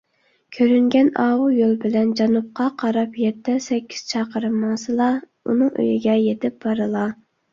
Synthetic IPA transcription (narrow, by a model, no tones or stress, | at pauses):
kʲʰøɾyŋɡʲɛnɑːwujolˠbɪlɛnd͡ʒɑnup̚qʰɑqʰɑɾɑpjɛt̪ʰːɛsɛkʲʰːi̥z̥t͡ʃʰɑqəɾɨmːɑsɨlˠɑ | ṵnɨŋʔø̰jiɡʲɛjet̪ʰɪp̚bɑɾɨlˠɑ